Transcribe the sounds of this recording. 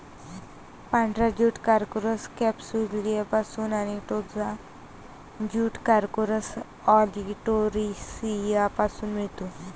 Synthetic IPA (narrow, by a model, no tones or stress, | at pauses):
pãɳɖɾad͡ʑuːʈkaɾkuɾəskɛpsuɾliepasuːnaniʈod͡za | d͡ʑuːʈkaɾkoɾəs | ɔliʈoɾisijapasuːnmiɭt̪u